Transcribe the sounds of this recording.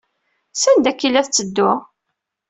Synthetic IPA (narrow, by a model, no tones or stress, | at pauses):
sænd̪ækːilːæθt͡sːəd̪ːʊ